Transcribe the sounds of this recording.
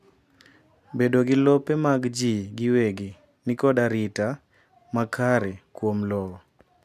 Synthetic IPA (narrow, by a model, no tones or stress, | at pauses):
bedoɡɪlɔpemaɡd͡ʒiɡɪweɡi | nɪkɔdaɾɪta | makʰaɾekwomlɔɔ